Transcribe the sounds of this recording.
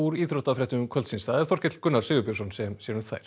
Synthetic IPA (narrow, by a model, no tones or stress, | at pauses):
uɾiːθɾɔht̪afɾɛht̪ʏʏmkʰvœlsinsθaðɛɾ̥θɔr̥cɪt̪lkʏnːaɾ̥sɪːɣʏpasɔnsɛmsjɛɾʏmθa̰jɾ̥